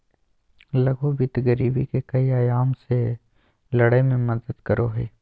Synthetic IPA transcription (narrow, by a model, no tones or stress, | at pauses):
lɐɡʱobɪt̪ɡəɾiːbḭkekɐiaːjaːmse | lɐɽajmẽmɐd̪əd̪kɐɾʔoɦḛː